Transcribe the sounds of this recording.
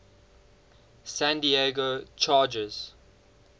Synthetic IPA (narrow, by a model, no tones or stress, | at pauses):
sæ̃ndieɡot͡ʃʰɑːd͡ʒəz̥